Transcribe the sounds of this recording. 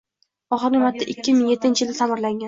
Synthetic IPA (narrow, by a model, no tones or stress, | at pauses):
ɒχɨɾnʲɪmat̪ːaʔɪkʲːɪmɪŋjet̪ʰːɪnt͡ʃʰɪjɪld̪asʰamɪɾlaŋɡʲan